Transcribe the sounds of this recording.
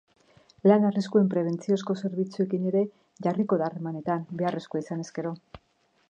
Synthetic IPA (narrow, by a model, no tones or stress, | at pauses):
lanariskue̞mpɾe̞β̞e̞nt͡sio̞sko̞se̞ɾβ̞it͡sue̞kine̞ɾe̞ | ʝariko̞ðaːremane̞t̪ambe̞are̞skoaisane̞ske̞ɾo̞